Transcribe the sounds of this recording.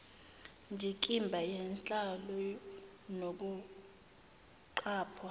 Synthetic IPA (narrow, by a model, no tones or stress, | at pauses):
ndʱikʼimbʱajɛnt͡ɬʼalɔ | nok̬u | ǃaːpʰɔ